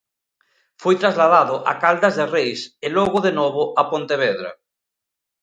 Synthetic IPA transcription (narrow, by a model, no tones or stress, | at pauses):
fojt̪ɾazlaðaðoʔa̰kald̪azðerejseloɣoðenoβ̞oapont̪eβ̞eðɾa̰